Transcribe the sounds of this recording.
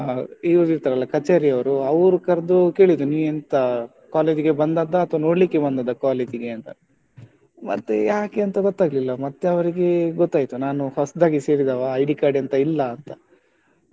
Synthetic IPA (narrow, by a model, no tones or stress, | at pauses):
iɾud̪iɾt̪aːɾɐlːɐkɐt͡ʃeːɾiɐʋɐɾuɐʋɐɾukɐɾɐd̪uke̞ːɭid̪uniːʋent̪ɐ | kaːleːd͡ʒiɡe̞bɐnd̪aːd̪ːɐːt̪ʋɐnoːɽlikːe̞bɐnd̪aːd̪ːɐkaːleːd͡ʒiɡe̞ɐnt̪ɐ | mɐ̰t̪ːejaːkeɐnt̪ɐɡɔt̪ːaːɡɐlilːɐmɐt̪ːeɐʋɐɾiɡe̞ɡɔt̪ːaːjit̪unaːnuhɔsɐd̪aːɡise̞ːɾid̪aʋaɐjɖikaːɖiɐnt̪ɐilːɐːnt̪ɐ